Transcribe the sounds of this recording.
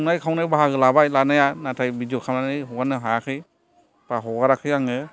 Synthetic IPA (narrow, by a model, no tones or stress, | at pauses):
najkʰawnajbaɦaɡɯlabajlanajanatʰajbid͡ʒɔkʰamlanɯjɦɔɡanɯɦakʰɯj | paɦɔɡaɾakʰɯjaŋɯ